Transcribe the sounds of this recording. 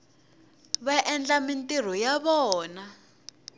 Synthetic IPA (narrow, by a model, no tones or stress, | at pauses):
βaʔɛnd͡ɮamintʼir̤ɔjaβɔːna